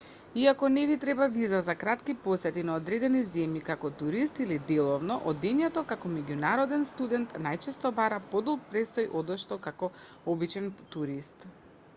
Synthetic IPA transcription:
iakɔnɛvit̪ɾɛbavizazakɾat̪kipɔsɛt̪inaɔd̪ɾɛd̪ɛnizɛmjikakɔt̪uɾist̪ilid̪ɛlˠɔvnɔʔɔd̪ɛɲɛt̪ɔkakɔmɛɟunaɾɔd̪ɛnst̪ud̪ɛnt̪najt͡ʃɛst̪ɔbaɾapɔd̪ɔlˠk̚pɾɛst̪ɔjʔɔd̪ɔʃt̪ɔkakɔ | ɔbit͡ʃɛnt̪uɾist̪

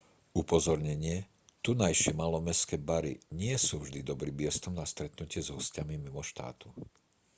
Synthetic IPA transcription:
upɔzɔɾɲɛɲɪɛ | t̪unajʃɪɛmalɔmɛskɛːbaɾḭɲɪɛsuːvʒd̪id̪ɔbɾiːbɪɛst̪ɔmnast̪ɾɛt̪nucɪɛzɦɔscamimimɔʃt̪a̰ːt̪u

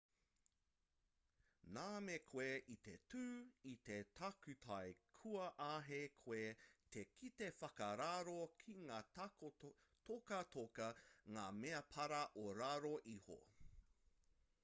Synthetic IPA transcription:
naːmekʰoweʔit̪etʰʉːit̪e̞tʰakʉt̪ʰɐjkʰuɐʔaɦekʰwoet̪ʰekʰit̪efɐkɐɾaɾokʰiŋaː | tʰokɐt̪ʰokɐŋaːmeɐpʰɐɾɐʔoɾaɾoʔiho̰

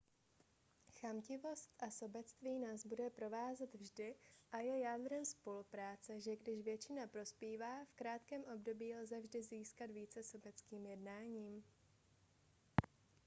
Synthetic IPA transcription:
xamcɪvo̞st̪ʔaso̞bɛt͡st̪viːnaːzbudɛpɾo̞vaːzɛt̪vʒdɪʔajɛjaːd̪ɾɛmspo̞lupɾaːt͡sɛʒɛɡdɪʃvjɛt͡ʃɪnapɾo̞spiːvaːfkɾaːt̪kɛːmʔo̞bdo̞biːlzɛvʒdɪziːskad̪viːt͡sɛso̞bɛt͡skiːmjɛdnaːɲiːm

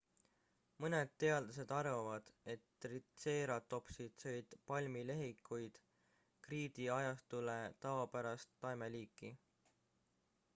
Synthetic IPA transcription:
mɤned̪̥̚t̪e̞ɑld̪ɑs̬e̞d̪̥ɑrvɑvɑd̪̥e̞t̪ːrit̪se̞ːɾɑt̪ːo̞psid̪̥sɤjd̪̥pɑlʲmile̞ɦikːˑujd̪̥ | kriːd̪̥iɑjɑst̪ulet̪ɑvɑpæɾɑst̪ːɑjmeliːkːˑi

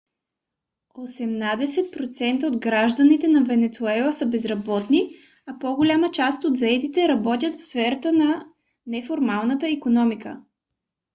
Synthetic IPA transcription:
osɛmnad̪ɛsɛt̪̚pɾot̪sɛnt̪əod̪ɡɾaʒd̪ənit̪ɛnɐvɛnɛt̪suɛlˠəsəbɛzɾɐbɔt̪ni | ɐpoɡolʲamət͡ʃast̪od̪zɐɛt̪it̪ɛɾɐbɔt̪ʲjət̪fsfɛɾət̪ənɐ | nɛfoɾmalˠnət̪əikonɔmikə̰

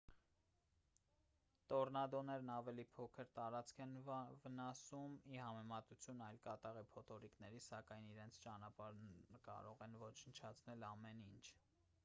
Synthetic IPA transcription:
t̪ɔɾnɑd̪ɔnɛɾnɑvɛlipʰɔkʰəɾt̪ɑɾɑt͡skʰɛnvənɑsumihɑmɛmɑt̪ut͡sʰjunɑjlkɑt̪ɑʁipʰɔt̪ʰɔɾiknɛɾisɑkɑjniɾɛnt͡sʰt͡ʃɑnɑpɑɾnkɑ̰ɾɔʁɛnvɔt͡ʃʰənt͡ʃʰɑt͡sʰnɛlɑmɛnint͡ʃʰ

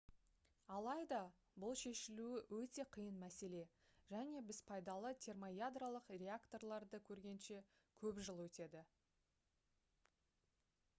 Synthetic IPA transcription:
ɑlˠɑjd̪ɑ | bʊlˠʃe̞ʃɪluɪwɵt̪e̞qʰijənmæse̞le̞ | ʒ̥æne̞bɪz̥pʰɑjd̪ɑlˠət̪ʲʰe̞rmojad̪ralˠəqrʲe̞akt̪o̞rlˠɑɾd̪əkʲʰɵɾɡʲe̞nʃe̞ | kʲʰɵpʒəlˠwɵt̪e̞d̪ɪ

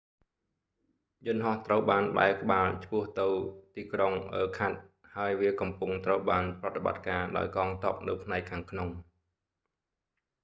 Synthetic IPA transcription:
jʊnɦɑht̪rəwɓaːnɓa̰ɛlkə̆ɓaːlt͡ɕʰpʊ̆əht̪ɨwt̪iːkroŋʔəːkʰat̪̚ | haəjʋiəkɑmpʊŋt̪rəwɓaːnprɑt̪ːeɓa̰t̪̚kaːɗa̰ɔjkɑːŋt̪ɑ̆əp̚nɨwpʰnaɛkʰːaːŋkʰnoŋ

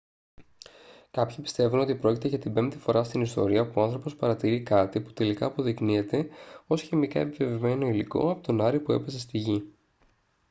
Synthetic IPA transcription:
kɐpçipi̥st̪e̞vuno̞t̪ipɾo̞cit̪e̞ʝɐt̪ibe̞mt̪i̥fo̞ɾɐst̪inist̪o̞̰ɾiɐpuoɐnθɾo̞po̞spɐɾɐt̪iɾikɐt̪ipu̥t̪e̞likɐːpo̞ðiknie̞t̪e̞o̞sçemikɐ̰epive̞vime̞no̞iliko̞̰ɐpot̪o̞nɐɾipue̞̰pe̞se̞st̪iʝi

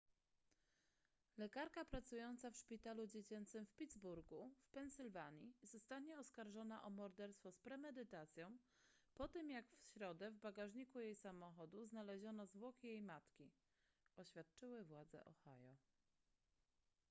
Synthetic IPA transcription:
lɛkaɾkapɾat̪sujɔnt̪safʂpʲit̪alud͡ʑet͡ɕɛnt̪sɘmfpʲid̪zbuɾɡufpɛnsɘlvaɲizɔst̪aɲɛɔskaɾʐɔnaʔɔmɔɾd̪ɛɾst̪fɔspɾɛmɛd̪ɘt̪at̪sʲjɔ̃w̃ | pɔt̪ɘmjakfɕɾɔd̪ɛvbaɡaʐɲikujejsamɔxɔd̪uznalɛʑɔnɔzvwɔkʲijejmat̪kʲi | ɔɕfʲjat̪̚t͡ʂɘwɘvwad̪zɛ̰ʔɔ̰xa̰jɔ

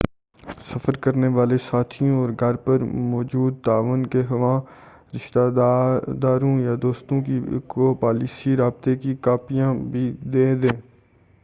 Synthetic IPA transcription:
səfəɾkəɾneʋaːlesaːt̪ʰijõɔːɾɡʱɐɾpəɾmɔːd͡ʒuːd̪̚t̪aːʋənkeɦɐʋãː | ɾɪʃt̪a | d̪aːɾõjaːd̪oːst̪õkikopaːliːsiɾaːb̚t̪ekikaːpijãbʱid̪ẽːd̪ẽː

